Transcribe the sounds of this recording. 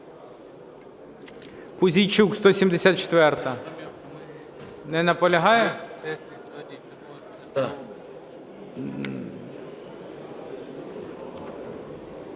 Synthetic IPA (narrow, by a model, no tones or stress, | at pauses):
pʊzʲijt͡ʃukst̪ɔsʲimd̪esʲat̪t͡ʃe̥t̪ʋɛrt̪ɐ | nɛnɐpɔlʲɐɦɑjɛ